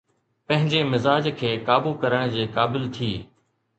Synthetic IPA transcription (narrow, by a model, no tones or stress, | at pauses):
pɐ̃ɦɪ̃ɲd͡ʑeːmɪzaːd͡ʑkʰeːkaːbuːkɐɾəɽ̃d͡ʑiːkaːbɪlt̪ʰiː